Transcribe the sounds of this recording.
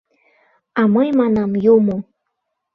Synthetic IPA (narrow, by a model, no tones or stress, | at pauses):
ɑməjmɑnɑmjumo